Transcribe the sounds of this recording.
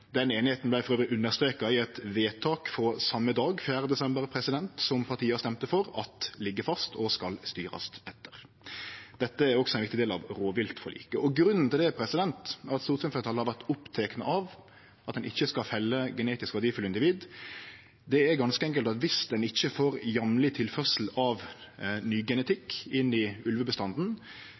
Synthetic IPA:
d̪ɛneːnɪheːt̪n̩blæɪfɔɾøːʋɾɪʔʉnːəɾst̪ɾeːkɑɪɛt̪ʋeːt̪ʰɑːkfɔsɑmːəd̪ɑːɡfjæːɾəd̪ɛsɛmbəɾpʰɾɛsɪd̪ɛnt̪sɔmpʰɑɾt̪ʰiːɑst̪ɛmt̪əfɔɾɑt̪lɪɡːəfɑst̪ʰɔskɑlst̪yːɾɑ̰st̪ɛt̪ʰːəɾ | d̪̥ɛt̪ːəæɾɔksɔɛnʋɪkt̪ɪd̪eːlɑ̰ʋɾoːʋɪlt̪fɔɾlḭːkəʔɔɡɾʉnːn̩t̪ɪld̪ɛpʰɾɛsɪd̪ɛnt̪ɑt̪st̪uːt̪sɛnfɛt̪ʰːɑlhɑɾʋæʁt̪ʊpt̪ʰeːknəʔɑʋ | ʔɑt̪̚d̪ɛnɪçːəskɑfɛlːəɡəneːt̪ɪskʋæʁd̪iːfʉlɪnd̪ɪʋiːd̪ | d̪ɛæɾɡɑnskəɛŋk̬əlt̪ɑt̪ʋɪsd̪ɛnɪçːəfoːɾjɑmlɪt̪ʰɪlfœʁsl̩ɑʋnyːɡɛnət̪ʰɪkːɪnːɪʉlʋəbəst̪ɑnd̪n̩

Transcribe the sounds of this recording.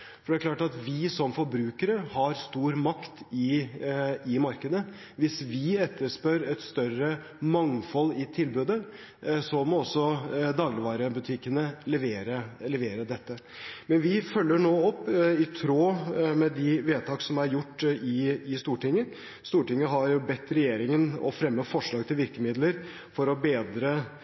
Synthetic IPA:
fɔɖɛæklɑːʈɑt̪ʋɪsɔmfɔɾbɾʉːkəɾəhɑɾst̪uːɾmɑkt̪ɪ | ɪmɑɾkəd̪ə | ʋɪsʋɪɛt̪ːəʂpœɾɛt̪st̪œrə | mɑŋfɔlːɪt̪ʰɪlbʉd̪ə | sɔmɔɔsːɔd̪ɑːɡlɪʋɑːɾəbʉt̪ʰɪkːənəlɛʋeːɾəlɛʋeːɾəd̪ɛt̪ːə | mɛnʋɪfœlːəɳoːɔpːɪt̪ʰɾoːmɛd̪ɪʋeːt̪ʰɑːksɔmæɾjʊʈːɪɪst̪uːʈɪŋːə | st̪uːʈɪŋːəɦɑɾjʊbɛt̪ːɾɛjeːɾɪŋənɔ̰fɾɛmːəfɔʂɭɑːɡt̪ʰɪlʋɪɾkəmɪd̪ləɾ | fɔɾɔbeːd̪ɾə

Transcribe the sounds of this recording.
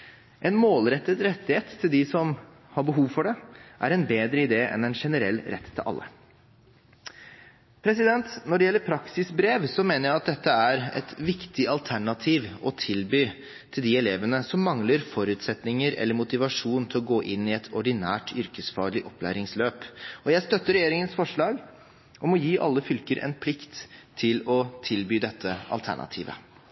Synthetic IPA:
ʔɛnmoːlɾɛt̪ːət̪ɾɛt̪ːɪheːt̪ʰːɪld̪ɪsɔm | hɑɾbəɦuːʋfɔɖɛʔæ̰ɾɛnbeːd̪ɾəɪd̪eːʔɛ̰nɛnʂɛnəɾɛ̰lːɾɛt̪ʰːɪlʔɑ̰lːə̰ | pʰɾɛsɪd̪ɛnt̪nɔɖɛjɛlːəɾpʰɾɑksɪsbɾeːʋsɔmeːnəɾjæɪɑt̪̚d̪ɛt̪ːəæɾɛ̰t̪ʋɪkt̪ɪɑlt̪ʰæɳɑt̪ʰiːʋɔt̪ʰɪlbyː | t̪ʰɪld̪ɪɛleːʋənəsɔmːɑŋləɾfɔɾʉːt̪sɛt̪nɪŋəɾɛ̰lːəɾmʊt̪ɪʋɑʂuːnn̩t̪ʰɪlɔɡoːʔɪnːɪɛt̪ʰɔɖɪnæːʈʰʏɾkəsfɑːɭɪʔɔplæ̰ːɾɪŋsløːpɔjæɪst̪œt̪ːəɾɛjeːɾɪŋənsfɔʂɭɑːɡ | ʔɔmɔjiːʔɑ̰lːəfʏlkəɾʔɛ̰npʰlɪkt̪ʰːɪlɔt̪ʰɪlbyːd̪ɛt̪ʰːəʔɑ̰lt̪ʰæ̰ɳɑ̰t̪ʰḭːʋə̰

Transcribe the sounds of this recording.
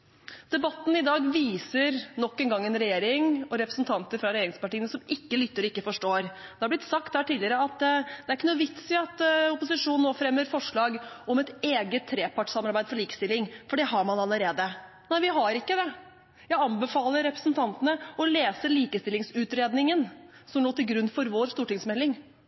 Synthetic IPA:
d̪̥ɛbɑt̪ːn̩ɪd̪ɑːɡʋiːsəɾnɔkːɛnɡɑŋːɛnɾɛjeːɾɪŋɔɾɛpɾəsnt̪ʰɑnt̪əɾfɾɑɾɛjeːɾɪŋspɑʈiːənəsɔmɪkːəlʏt̪ːəɾɔɪkːəfɔʂʈoːɾd̪ɛhɑɾblɪt̪sɑkt̪d̪æːʈiːlɪəɾəɑt̪d̪̥ɛæɾɪkːənuːʋɪt̪sɪɑt̪ʊpʊsɪʂuːnnoːfɾɛmːəɾfɔʂɭɑːɡ | ɔmɛt̪eːɡət̪ʰːɾeːpʰɑʈsɑmɑɾbæɪd̪̥fɔɭiːkəst̪ɪlːɪŋfɔɖɛɦɑɾmɑnɑləɾeːd̪ə | næɪʋɪɦɑɾɪkːəd̪ɛ | jæɪɑnbəfɑːləɾːɛpɾə̥snt̪ʰɑnt̪ənəɔleːsəliːkəst̪ɪlːɪŋsʉːt̪ɾeːd̪nɪŋənsɔmnoːt̪ɪlɡɾʉnːfɔɾʋoːɾst̪uːʈɪŋsmɛlːɪŋ

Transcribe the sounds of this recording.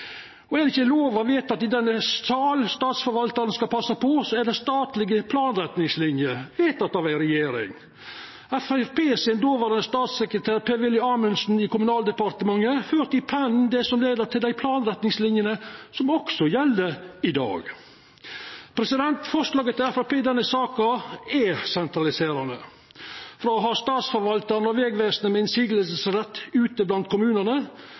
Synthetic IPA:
ɔɛɾɪçəloːʋɑʋeːt̪ɑt̪ɪd̪ɛnːəɑːlst̪ɑːt̪sfɔɾʋɑlt̪ɑɾənskɑpʰɑsːɑpʰɔsɔæɖ̪ɛst̪ɑːt̪lɪɡəpʰlɑːnɾɛt̪nɪŋslɪnjəʋeːt̪ɑt̪ɑʋæɪɾɛjeːɾɪ̰ŋ | æfɛfpeːsɛnd̪oːʋəɾənəst̪ɑːt̪sɛkɾət̪ʰæːɾpʰeːʋɪlːɪɑɾmənsn̩ɪkʊmʉnɑːld̪ɛpɑɾt̪əmɑŋːəføːɾt̪ɪpʰænnd̪ɛsɔmleːd̪əɾt̪ʰɪld̪æɪpʰlɑːnɾɛt̪nɪŋslɪnjənəsɔmɔksɔjɛlːəɪd̪ɑ̰ːɡ | pʰɾɛsɪd̪ɛnt̪fɔʂlɑːɡət̪ʰːɪlæfæpeːd̪ɛnːəsɑːkɑɛsɛnt̪ɾɑlɪseːɾɑnə̰ | fɾɑɦɑɾst̪ɑːt̪sfɔɾʋɑlt̪əɾnɔʋɛːɡʋeːsnəmɛɛnsiːɡləsəsɾɛt̪ʰːʉːt̪əblɑnt̪̚kʰʊmʉːnəʁnə

